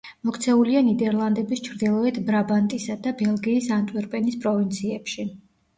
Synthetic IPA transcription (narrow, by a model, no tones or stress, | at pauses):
mɔkʰt̪sʰɛulianid̪ɛɾlˠand̪ɛbist͡ʃʰɾd̪ilˠɔɛt̪ʰbɾabant̪ʼisad̪abɛlˠɡiːsant̪ʼwiɾpʼɛnispʼɾɔvint̪sʰiɛpʃi